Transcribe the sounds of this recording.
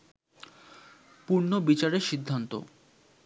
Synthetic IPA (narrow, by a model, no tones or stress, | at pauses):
puɾnobit͡ɕaɾeʃid̪ʱːant̪o̰